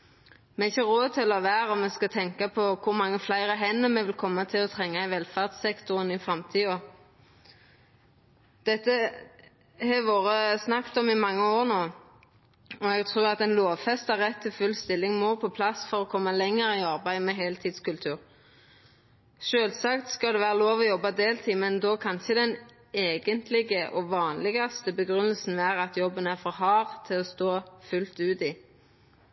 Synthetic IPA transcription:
mɛɪçːəʁoːt̪ʰɪlɔʋæːɾɔmɛskɑt̪ʰɛŋkɑpʰɔkʰʊɾmɑŋːəflæɪʁəɦɛnːəmɛʋɪlkʰɔmːɑt̪ʰɪlɔt̪ʰʁɛŋːɑæɪʋɛlfɑʁd̪sɛkt̪ʊʁənɪfʁɑmt̪ʰiːɔ | d̪̥ɛt̪ːə | hɛʋoːɾəsnɑkt̪ɔmɪmɑŋːəoːɾnoː | ɔɛɡt̪ʰʁʉːɾɑt̪ɛnloːʋfɛst̪ɑʁɛt̪ʰːɪlfʉlst̪ɪlːɪŋmɔːpʰɔpʰlɑsfɔʁɔkʰɔmːɑlɛŋːəɾɪɑɾbæɪmɛɦeːlt̪ʰiːd̪skʉlt̪ʰʉːɾ | ʃøːlsɑkt̪skɑld̪ɛʋæːɾəloːʋɔjɔbːɑd̪eːlt̪ʰɪmɛnd̪ɔkʰɑnçəd̪ɛn | eːɡənt̪ʰlɪɡəʔɔʋɑːnlɪɡɑst̪əbəɡɾʉnːəlsn̩ʋæːɾɑt̪jɔbːənæfɔɾɦɑːʁt̪ʰɪlɔst̪oːfʉlt̪ʉːt̪i

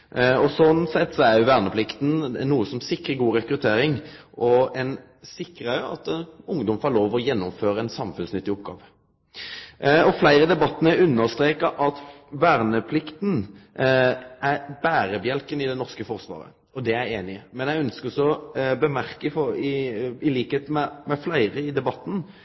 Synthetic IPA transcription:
ɔsɔnsɛt̪ːsɔæɾjʊʋæːʁnəpʰlɪkt̪n̩nuːəsɔmsɪkɾəɡuːɾɛkɾʉt̪ʰeːɾɪŋʔʔɔɛn | sɪkːɾɑjʊɑ̰t̪ɛnʊŋd̪ɔmfɑloːʋɔjɛnːʊmføːɾəɛnsɑmfʉnsnʏt̪ːɪɔp̚ɡɑ̰ːʋə | ɔflæɪɾəd̪ɛbɑt̪ːnəæʉnːəɾst̪ɾeːkɑʔɑt̪ | ʋæːɾnəpʰlɪkt̪n̩ | æbæːɾəbjɛlkənɪd̪ɛnɔʁskəfɔɾsʋɑ̰ːɾə̰ | ɔd̪ɛæɪeːnɪəmɛnjæɪœnskəɾɔsɔɔbəmæɾkəfɔɪɪliːkheːt̪mɛmɛflæɪɾəɪd̪ɛbɑt̪ːn̩

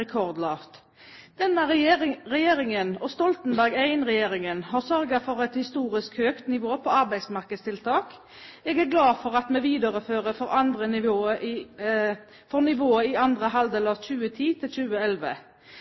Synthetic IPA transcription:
ɛkʰɔʁd̪lɑːft̪ | d̪̥ɛnːəʁɛjeːɾɪŋənɔst̪ɔlt̪n̩bæʁɡæɪnʁɛjeːʁɪŋənɦɑːʁsœɾɡɑfɔʁɛt̪hɪst̪uːʁɪskhøːkt̪nɪʋoːpʰɔɑʁbæɪsmɑʁkəd̪st̪ʰɪlt̪ʰɑːk | ɛːɡæːʁɡlɑːfɔʁɑt̪meːʋiːd̪əʁəføːʁəfɔʁɑnd̪ʁənɪoː | fɔʁnɪʋoːəɪɑnd̪ʁəɦɑld̪eːlɑçʉːət̪ʰiːt̪ʰɪlçʉːəɛlʋə̰

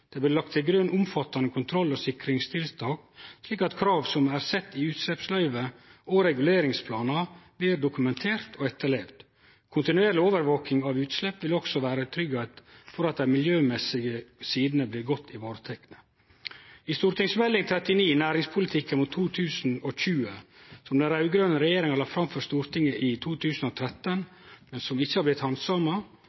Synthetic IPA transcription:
d̪̥ɛːblɪlɑk̚t̪ʰɪɡɾœnʔʊmfɑt̪ːɑnəkʰʊnt̪ʰɾɔlːoːsɪkɾɪŋst̪ʰɪlt̪ʰɑːkʂliːkɑt̪kʰɾɑːʋsɔmæːɾsɛt̪ːɪʉːt̪slɛpslœʏʋəoːɾɛɡʉleːɾɪŋspʰlɑːnɑblɪɾɖ̪ʊkʉmɛnt̪ʰeːɾt̪ʰoːɛt̪ːəɭeːʋd̪ | kʰʊnt̪ɪnʉeːɾlɪoːʋəɾʋoːkɪŋɑʋʉːt̪slɛpːʋɪlɔksɔʋæːɾət̪ʰɾʏɡɑt̪fɔɾɑt̪̚d̪æɪmɪljøːmɛsɪɡəsiːd̪nəblɪɾɡɔt̪ʰːɪʋɑːɾət̪ʰɛknə | ɪst̪uːɾt̪ɪŋsmɛlːɪŋt̪ʰɾɛt̪ɪniːnæːɾɪŋspʰʊlɪt̪ʰɪkːənmʊt̪ʰːuːt̪ʰʉːsn̩ɔçʉːəsɔmd̪ɛɾɑʉɡɾœːnəɾɛjeːɾɪŋɑlɑfɾɑmfɔɾst̪uːɾt̪ʰɪŋːəʔɪt̪ʰuːt̪ʰʉːsn̩ɔt̪ʰɾɛt̪ːən | mɛnsɔmɪçːəhɑblɪt̪hɑnsɑmɑ

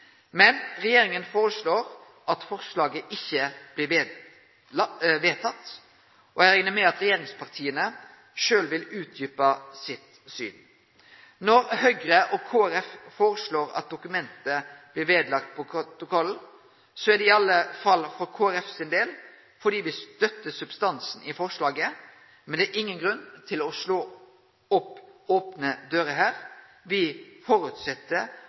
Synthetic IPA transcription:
mɛnɾɛjeːɾɪŋənfoːɾəsɭoːɾ | ɑt̪fɔʁslɑːɡəʔɪçːəb̥lɪ | ʋeːt̪ʰɑt̪ː | ʔɔæɾɛŋnəmɛɑt̪ɾɛjeːɾɪŋspʰɑʁt̪ʰiːənə | ʃøːlʋɪlʉːt̪̚d̪yːpɑsɪt̪ | sy̰ːn | nɔɾhœɡɾəʔɔkʰoːæɾɛffoːɾəsloːɾɑ̰t̪̚d̪ʊkʉmɛnt̪əb̥lɪɾʋeːd̪lɑk̚t̪̚pʰɔt̪ʊkʰɔln̩ | sɔæɖɛɪɑlːəfɑlfɔɾkʰoːæɾɛfsɪnd̪eːl | fɔɖiːʋɪst̪œt̪ːəsʉbst̪ɑnsn̩ɪfɔʁʂɭɑːɡə | mɛnd̪ɛæːɾʔɪŋːənɡɾʉnt̪ʰɪlɔʂɭoː | ɔpoːpnəd̪øːɾəɦæːɾ | ʋɪfɔɾʉt̪sɛt̪ːə

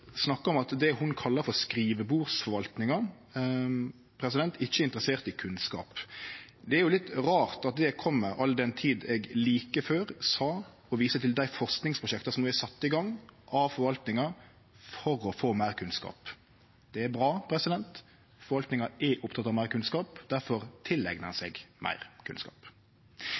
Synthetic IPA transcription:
snɑkːəɔmɑt̪d̪ɛhʊnkʰɑlːɑɾfɔɾskɾiːʋəbuːɾsfɔɾʋɑlt̪nɪŋɑ | pʰɾɛs̬ɪd̪ɛnt̪ɪçːəɪnt̪ɾəseːʁt̪ɪkʰʉnskɑ̰ːp | d̪ɛæɾjʊlɪt̪ɾɑːʁt̪ɑt̪̚d̪ɛkʰɔmːəɾɑlːd̪ɛnt̪ʰiːd̪ɛɡliːkəføːɾsɑː | ɔʋiːsət̪ʰɪld̪æɪfɔʁsknɪŋspʰɾʊʃɛkt̪ɑsɔmnuːɛsɑt̪ːəɪɡɑŋːʔɑʋfɔɾʋɑlt̪nɪŋɑ | fɔɾɔfoːmæɪʁkʰʉnskɑ̰ːp | d̪̥ɛæɾbɾɑːpʰɾɛsɪd̪ɛnt̪ | fɔɾʋɑlt̪nɪŋɑʔɛʔʊpt̪ʰɑt̪ːɑʋmæɪɾkʰʉnskɑːpd̪̥æɾfɔɾt̪ʰɪlːɛɡnəsɛɡmʔæ̰ɪʁkʰʉ̰nskɑ̰ːp

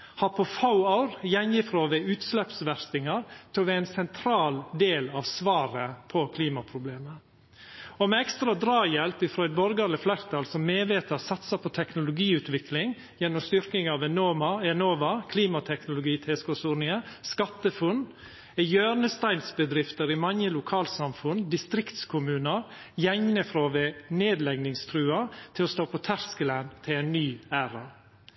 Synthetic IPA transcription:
hɑɾpʰɔfaʊɑʊɾjɛnjɪfɾoːʋɛʉːt̪slɛpsʋæɾt̪ɪŋɑɾt̪ʰɪlʋɛæɪnsɛnt̪ʰɾɑːld̪eːlɑʋsʋɑːɾəpʰɔkʰliːmɑpʰɾʊbleːmə | ɔmɛɛkst̪ɾɑd̪ɾɑːjɛlpɪfɾɔʏd̪bɔɾɡɑɾləflæɾt̪ʰɑlsɔmmeːʋeːt̪əɾsɑt̪sɑpʰɔt̪ʰɛknʊlʊɡiːʉːt̪ʋɪklɪŋ | jɛnːɔmst̪ʏɾkɪŋɑʋɛnoːmɑɛnoːʋɑkʰliːmɑt̪ʰɛknʊlʊɡiːt̪ʰɛːskʊsuːnɪəskɑt̪ːəfʊnː | ɛjøːɾnəst̪æɪnsbəd̪ɾɪft̪əɾɪmɑŋjəlʊkʰɑːlsɑmfʉnd̪ɪst̪ɾɪkt̪skʰʊmʉːnəɾ | jɛŋnəfɾoːʋɛneːd̪lɛɡnɪŋst̪ʰɾʉːɑt̪ʰɪlɔst̪oːpʰɔt̪ʰæɾskələnt̪ʰɪlæɪnːyːæːɾɑ

